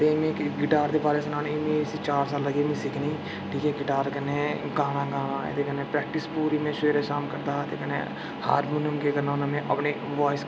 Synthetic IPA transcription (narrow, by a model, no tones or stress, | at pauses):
t̪eːmẽːɡɪʈaːɾd̪eːbaːɾeːsnaːnːmẽːsit͡ʃaːɾsaːlːəɡemẽːsɪkʰnĩː | ʈʰiːkɛːɡɪʈaːɾkəneːɡaːnãːɡaːnã̰ːḛt̪ekənẽːpɾɛːkʈɪspuːɾiːmẽːʃeːɾeʃaːmkəɾd̪aːt̪eːkənḛ̃ː | ha̰ːɾmoːnɪʊmkeːkənːãːnamẽːʔə̰pneːʋaːɪs